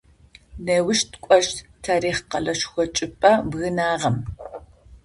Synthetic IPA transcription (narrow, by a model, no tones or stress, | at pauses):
neːwʊʃtʰkʷʼɔʃttʰaːɾiːχqɐɮɐʃxʷɔt͡ʃʼɪpʼɐbɣɨnaːʁɐm